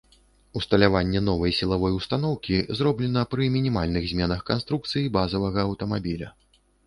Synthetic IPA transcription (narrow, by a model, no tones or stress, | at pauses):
ust̪ɐlʲavanʲːɛnɔvɐjsʲilˠavɔjwst̪anɔwkʲizrɔblʲɛnɐpɾɨmʲinʲimalʲnɨɣzʲmʲɛnɐxkanst̪ɾuk̚t̪sɨjibazɐvɐɣɐːwt̪ɐmabʲilʲɐ